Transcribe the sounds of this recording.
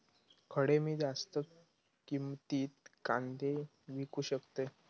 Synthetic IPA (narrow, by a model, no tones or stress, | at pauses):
kʰəɽemiːd͡zast̪ə | kimt̪iːt̪̚kand̪ʱe | ʋikuːɕəkt̪e